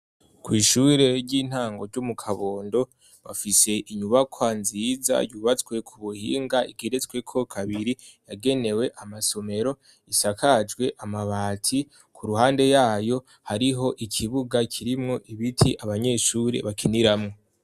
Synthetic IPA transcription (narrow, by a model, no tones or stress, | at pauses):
kwiːʃuːɾe̞ɾɟiːn̥haːŋɡo̞ɾɟumukʰaβo̞ːndo̞ | βa̰fise̞ʔiɲuβakʰwanziːza̰juːβat͡skwe̞kʰuβuhḭːŋɡaiɡiɾet͡sɡwe̞kʰo̞kʰaβiɾi | jaɡe̞ne̞we̞ʔamaso̞me̞ɾo̞ | isakʰad͡ʒɡwe̞ʔamaβaːtʰi | kʰuɾuhaːnde̞jaːjo̞ | haɾiɦo̞ʔikʰiβuɡakʰiɾimŋo̞ʔiβitʰiʔaβaɲe̞ːʃuːɾe̞̰βakʰiniɾamŋo